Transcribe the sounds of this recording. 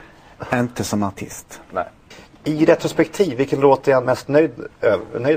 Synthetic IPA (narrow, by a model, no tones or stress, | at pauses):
æɾɪnt̪əsɔmaʈʰɪ̰st̪nɛ | ɪɾɛt̪ɾʊspɛkt̪ʰiːvːɪlkənɾoːt̪əɛnmɛst̪nœjd̪ønœj